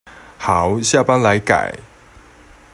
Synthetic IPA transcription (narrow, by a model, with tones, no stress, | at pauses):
ha˨˦wɕja˥˧˨pa˦˥nla˨˦jka̰˨˩j